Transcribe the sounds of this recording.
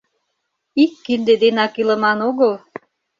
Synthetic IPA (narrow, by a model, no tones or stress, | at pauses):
ikːind̪ed̪enɑkilə̆mɑnoɣəl